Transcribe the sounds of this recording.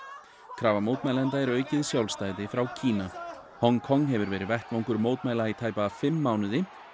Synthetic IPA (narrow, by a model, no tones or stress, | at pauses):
kʰɾaːvamoːwt̪maːjlɛnt̪̬aɛɾœːɥcɪðsjawlst̪aːjðɪfɾawcʰiːna | hɔŋkʰɔŋːɦɛvʏɾvɛːɾɪvɛht̪vawŋkʏɾmoːwt̪maːjlait̪ʰaːjpaːfɪmːawnʏðɪ